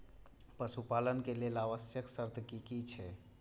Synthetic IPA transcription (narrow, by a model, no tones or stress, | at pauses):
pəsupalənkelelaʋəsjəksəɾt̪ʰkikit͡ʃʰɛ